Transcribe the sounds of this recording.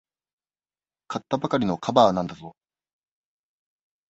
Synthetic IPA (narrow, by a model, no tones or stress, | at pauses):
kat̪ːabakaɾʲino̞kʰabaːnãnd̪azo̞